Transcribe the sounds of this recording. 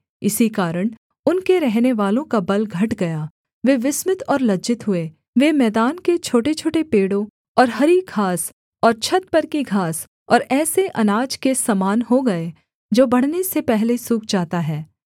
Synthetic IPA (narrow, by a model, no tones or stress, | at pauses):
ɪsikaːɾəɽ̃ | ʊnkeɾɛɦneʋaːlõkabɐlɡʱɐʈɡɐja | ʋeʋɪsmɪt̪ɔːɾlɐd͡ʒɪt̪ɦʊe | ʋemɛːd̪aːnket͡ʃʰoːʈet͡ʃʰoːʈepeːɽõ | ɔːɾɦɐɾiɡʰʱaːs | ɔːɾt͡ʃʰɐt̪̚pɐɾkiɡʱaːs | ɔːɾɛːseʔɐnaːd͡ʒkesamaːnɦoɡɐe | d͡ʒoːbɐɽ̤nesepɛɦlesuːk̚d͡ʒaːt̪aɦɛː